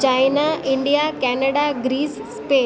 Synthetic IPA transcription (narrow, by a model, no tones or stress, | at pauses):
t͡ʃajnaʔɪɳɖijakɛnəɽaɡɾiːsːpeː